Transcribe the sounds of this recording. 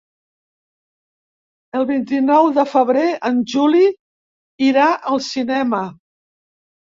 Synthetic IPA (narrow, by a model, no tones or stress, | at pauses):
əlˠβint̪inɔwðəfəβ̞ɾeʔənʒuli | iɾaʔəlˠsinɛmə